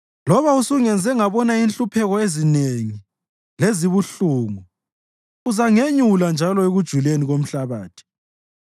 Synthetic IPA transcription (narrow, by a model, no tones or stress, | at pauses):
lɔβausuŋɛnd͡zʱɛŋaβɔnainɬʼupʰɛɣɔezineŋi | leziβuɬuːŋu | uzaŋeɲuland͡ʒʱalɔeɣud̥ʒ̥ʱuleniɣom̩ɬaβaːtʰi̥